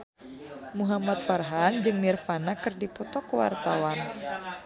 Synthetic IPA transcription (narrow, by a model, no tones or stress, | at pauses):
muɦamat̪̚farɦand͡ʒɨŋnirfanakɨrdipɔt̪ɔkuwa̰rt̪awan